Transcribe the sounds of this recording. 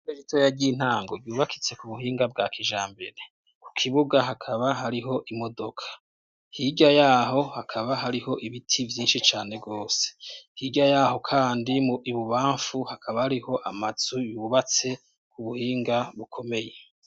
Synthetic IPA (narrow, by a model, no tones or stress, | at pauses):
eʒitʰojaɟin̥aːŋɡo̞ɡɟuːβaki̥t͡se̞kuβuhiːŋɡab̚ɡaːkʰiʒaːmbeɾe | ku̥kʰiβuɡaɦakʰaβaɦaɾiɦo̞ʔimo̞do̞kʰḁ | hiɟajaːɦo̞hakʰaβaɦaɾiho̞ʔiβitʰivjiːnʃit͡ʃaːne̞ɡo̞ːse̥hiːɟajaːho̞kʰaːndimuiβuβaːɱfuhakʰaβahaɾiho̞ʔamaz̥ujuːβat͡se̞ | kuβuhiːŋɡaβukʰo̞me̞je̞